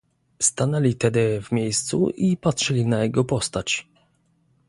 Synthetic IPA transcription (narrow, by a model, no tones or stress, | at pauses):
st̪anɛlʲit̪ɛd̪ɘvmʲjejst̪sṵʔipatʂɘlʲinajɛɡɔpɔst̪at͡ɕ